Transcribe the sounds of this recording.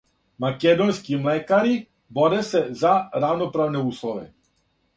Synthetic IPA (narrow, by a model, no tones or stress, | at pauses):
makɛd̪ɔnskiːmlɛːkaɾi | bɔdɛsɛzaɾawnɔpɾaːwnɛuːslɔʋɛ̰